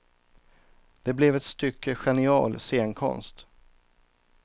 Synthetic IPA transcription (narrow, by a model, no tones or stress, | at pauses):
d̪̥ɛblɛvɛt̪st̪ʏkːəɧɛnɪɑ̰ːlseːnkʰɔ̰nst̪